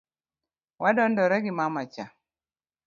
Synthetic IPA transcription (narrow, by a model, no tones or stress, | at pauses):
wʔadɔndɔɾɛɡɪmamat͡ʃa